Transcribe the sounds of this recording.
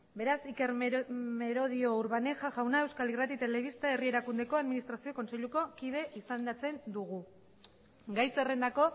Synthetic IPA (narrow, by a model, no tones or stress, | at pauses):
be̞ɾasike̞ɾme̞ɾo̞ð̞io̞uɾβane̞ʝaʝawnae̞wskalirat̪it̪e̞le̞β̞ist̪ae̞rie̞ɾakund̪e̞ko̞aðminist̪ɾasio̞ko̞nse̞ʎuko̞kið̞e̞ʔisand̪at͡se̞nd̪uɣu | ɡajsere̞nd̪ako̞